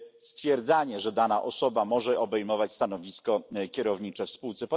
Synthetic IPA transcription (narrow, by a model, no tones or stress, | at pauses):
st̪fʲjɛɾd̪zaɲɛʐɛd̪anaʔɔsɔbamɔʐɛʔɔbɛjmɔvat͡ɕst̪anɔvʲiskɔkʲɛɾɔvɲit͡ʂɛfspuwt̪sɛpɔ